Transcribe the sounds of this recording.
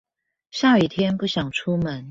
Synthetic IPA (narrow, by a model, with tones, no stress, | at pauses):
ɕja˥˧i˨˩t̪ʰjɛ˥npu˥˩ɕjɑ˨˩ŋʈ͡ʂʰu˥mə˨˦n